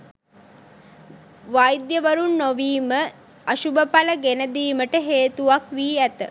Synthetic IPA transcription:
ʋajd̪jəʋəɾunːoʋiːmə | əʃubəpaləɡenəd̪iːməʈəɦeːt̪uʋakʋiːæt̪ə̰

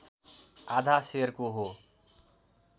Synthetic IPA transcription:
aːd̪ʱaseɾkoɦo

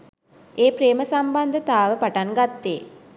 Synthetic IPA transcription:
eːpɾeːməsamband̪ʱət̪aːʋəpaʈaŋɡat̪ːeː

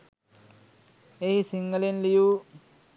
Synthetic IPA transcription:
ehisiŋɡɐlinliju

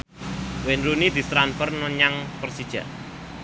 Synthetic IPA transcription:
wenɾunid̪̥i̤st̪ɾanfərnɔɲaŋpərsid̥ʒ̥ä̰

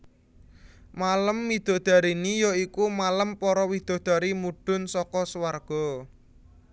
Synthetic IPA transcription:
maləmːid̪̥ɔ̤d̪̥a̤ɾinijɔikumaləmpɔɾɔwid̪̥ɔ̤d̪̥a̤ɾimuɖ̥ʊ̤nsɔkɔswarɡ̥ɔ̤

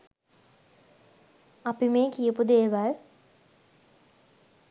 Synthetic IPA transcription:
apimeːkijəpud̪eːʋal

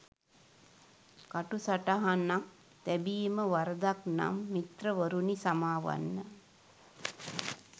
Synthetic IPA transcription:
kaʈusaʈaɦanːak̚ | t̪ɛbijməʋaɾəd̪akna̰mːit̪rəʋəɾunisamaːʋa̰nːə

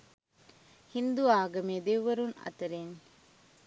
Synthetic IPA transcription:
hind̪uaːɡɐmeːd̪eʋʋɐɾunɐ̰t̪ɐɾen

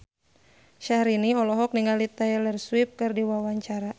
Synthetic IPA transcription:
ʃahɾiniɔlɔɦɔk̚niŋɡalit̪aɛlɛrswip̚kɨrdiwawaɲt͡ʃaɾa

